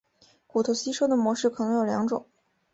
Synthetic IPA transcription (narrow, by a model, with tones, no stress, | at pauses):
ku˨˩t̪ʰo˧˥˩ʊɕi˥ʂo˥d̪ə˨mwɔ˧˥ʂɻ̩˥˩kʰɤ˨˩nɤ˧˥ŋjo˨˩ʊljɑ˧˥ŋʈ͡ʂʊ̰˨˩˦ŋ